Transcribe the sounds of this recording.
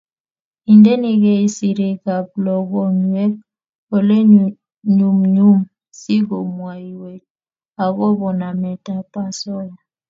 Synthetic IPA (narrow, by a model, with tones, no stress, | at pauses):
i˨nde˦ni˦ɡɛ˨i˦si˨ɾe˨ka˨p̚lɔ˨ɡɔ˦ŋwɛ˦ | o˨le˦ | ɲu˨mɲu˦m | si˦ɡo˨mwa˨i˨we˨t̚ | a˨ɣɔ˦bɔ˨na˨mɛ˨ta˦pa˦sɔ˦ja˨